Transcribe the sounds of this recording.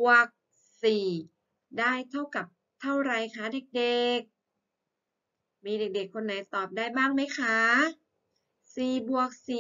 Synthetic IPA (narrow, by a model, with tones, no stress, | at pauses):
bu˨˩ək̚ | siː˨˩ | daː˥˩jt̪ʰa˥˩wka˨˩p̚ | t̪ʰa˥˩wɾa˨˧jkʰa˦˥˩de˨˩k̚de˨˩k̚ | miː˧de˨˩k̚de˨˩kʰːo˧nːa˨˦jt̪ɔː˨˩p̚daː˥˩jbaː˥˩ŋma˦˥jkʰa˦˥ | siː˨˩bu˨˩ək̚siː˨